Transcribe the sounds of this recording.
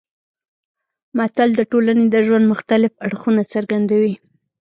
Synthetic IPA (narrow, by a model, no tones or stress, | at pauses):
mat̪ald̪əʈolaned̪əʒwand̪mʊxt̪alɪfaɽxunat͡saɾɡand̪awi